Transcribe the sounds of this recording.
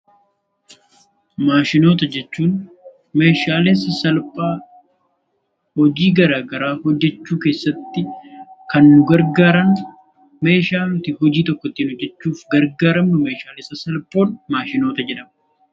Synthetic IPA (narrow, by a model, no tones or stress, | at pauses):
maːʃɪno̞ːt̪ɐd͡ʒɛt͡ʃːuːn | me̞ːʃaːlesɐsɐlpʼaː | hɔd͡ʒiːɡɐɾaːɡɐɾaːhɔd͡ʒːɛt͡ʃːuːke̞ːsːɐt̪ːɪkɐnːʊɡɐɾɡaːɾɐn | me̞ːʃaːnʊt̪ɪhɔd͡ʒiːt̪ɔkːɔt̪ːiːnhɔd͡ʒːɛt͡ʃːuːfɡɐɾɡaːɾɐmːʊme̞ːʃaːlɛsɐsɐlpʼːo̞ːnmaːʃɪno̞ːt̪ɐd͡ʒɛᶑɐm